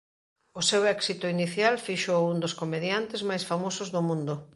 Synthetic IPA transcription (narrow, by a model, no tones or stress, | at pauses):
ʊsewɛksit̪ʊiniθjalfiʃowund̪oskomeðjant̪ezmajsfamosʊzðʊmũnd̪ʊ